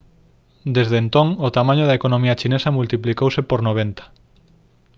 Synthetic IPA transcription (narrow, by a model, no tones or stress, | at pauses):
d̪ezðent̪oŋot̪amãɲʊðɐekonõmiɐt͡ʃinesɐmult̪iplikowsepoɾnoβ̞ent̪ɐ̥